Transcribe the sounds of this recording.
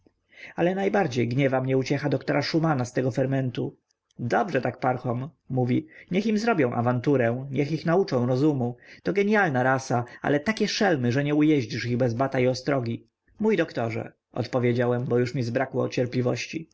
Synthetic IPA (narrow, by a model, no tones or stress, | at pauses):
alɛnajbaɾd͡ʑejɡɲɛvamɲɛut͡ɕɛxad̪ɔkt̪ɔɾaʂumanast̪ɛɡɔfɛɾmɛnt̪u | d̪ɔbʐɛt̪ak̚paɾxɔmː | uvʲiɲɛximzɾɔbʲjɔ̃w̃ʔa̰vant̪uɾɛ̃ɲɛxixnaut͡ʂɔ̃w̃ɾɔzumut̪ɔɡɛɲjalnaɾasaa̰lɛt̪akʲɛʂɛlmɘʐɛɲɛujɛʑd͡ʑiʂiɣbɛzbat̪aiɔst̪ɾɔɡʲi | mujd̪ɔkt̪ɔʐɛ̰ | ɔ̰t̪pɔvʲjed͡ʑawɛmbɔjuʂmʲizbɾakwɔːt͡ɕɛɾplʲivɔɕt͡ɕi